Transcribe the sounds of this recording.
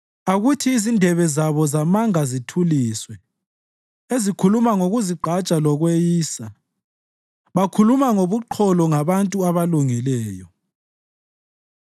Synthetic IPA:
aɣutʰiːzindʱɛβɛzaβɔzamaŋazitʰuliswɛ | ezikʰulumaŋoɣuziɡ͡ǃʱat͡ʃʼalɔɣwejiːsa | βakʰulumaŋoβuǃʰɔlɔŋaβantʼuaβaluŋilɛːjɔ

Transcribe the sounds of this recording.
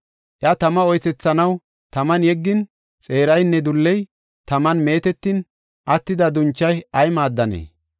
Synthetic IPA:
ʔjɐt̪ɐmɐɔjsɛt͡sːɐnɐw | t̪ɐmɐnjɛɡːɪn | t͡sʼe̞ːɾɐjnːɛd̪ʊlːɛj | t̪ɐmɐnme̞ːt̪ɛt̪ːɪn | ʔɐt̪ːɪd̪ɐd̪ʊnt͡ʃːɐjɐjmaːd̪ːɐnḛː

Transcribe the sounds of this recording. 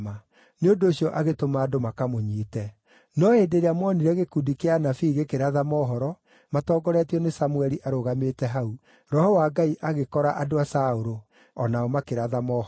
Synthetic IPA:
ma | neondoːɕiɔʔaɣetomaːdomakamoɲiːtɛ | nɔedeɾeamɔniɾɛɣekudikeanafiːɣekeɾaðamɔːɦɔɾɔ | matɔːɡɔɾɛtiɔnesamuɛɾiʔaɾoɣametɛɦau | ɾɔhɔwaɡaiʔaɣekɔɾaʔadoasaoɾo | ɔnaɔmakeɾaðamɔ

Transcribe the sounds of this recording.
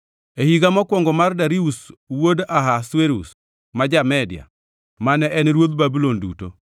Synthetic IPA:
ehiɡamɔkwɔŋɡɔmardaɾiuswodaɦasweɾṵs | mad͡ʒamɛdja̰ | manɛɛnɾwod̪babulondṵto̰

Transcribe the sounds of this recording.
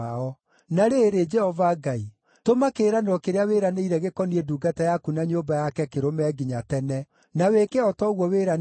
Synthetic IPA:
aɔ | naɾeɾed͡ʒɛhɔvaɡai | tomakeɾaneɾɔkeɾeaweɾaneiɾɛɣekɔnieduːɡatajakunaɲoːbajakɛkeɾomɛɡiɲatɛnɛ | nawekeɔtɔɣwɔweɾa

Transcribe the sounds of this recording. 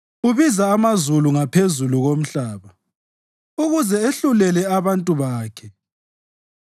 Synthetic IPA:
uβizaːmazuluŋapʰezuluɣom̩ɬaːβa | uɣuzɛeɬulɛlɛaβantʼuβaːkʰɛ

